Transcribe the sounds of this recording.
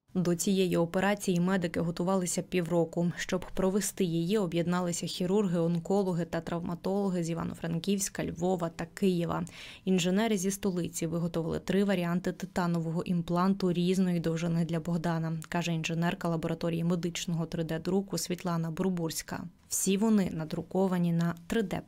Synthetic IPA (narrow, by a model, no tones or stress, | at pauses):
d̪ɔt͡sʲijejiɔpe̞ɾɑt͡sʲijimɛd̪ɪkɪɦɔt̪ʊʋɑlˠɪsʲɐpʲiwrɔkʊʃt͡ʃɔbpɾɔʋest̪ɪjijiɔbjed̪nɑlˠɪsʲɐxʲiɾurɦɪɔnkɔlˠɔɦɪt̪ɐt̪ɾɐwmʔɐt̪ɔlˠɔɦɪzʲiʋɑ̰nɔ̰fɾɐnkʲiwʲsʲkɐlʲʋɔʋɐt̪ɐkɪjɛʋɐ̰inʒenɛɾɪzʲist̪ɔlˠɪt͡sʲiʋɪɦɔt̪ɔʋɪlˠɪ̰t̪ɾɪʋɐɾʲiɑnt̪ɪt̪ɪt̪ɑnɔʋɔɦɔʔimplˠɑnt̪ʊɾʲiznɔjid̪ɔwʒɪnɪd̪lʲɐbɔɦd̪ɑnɐkɑʒɛinʒenɛrkɐlˠɐbɔɾɐt̪ɔɾʲijɐmed̪ɪt͡ʃnɔɦɔt̪ɾɪd̪ɛd̪ɾukʊsʲʋʲit̪lˠɑnɐbʊɾbursʲkɐ̰ | w̥sʲiʋɔnɪnɐd̪ɾʊkɔʋɐnʲinɐt̪ɾɪd̪ɛ̰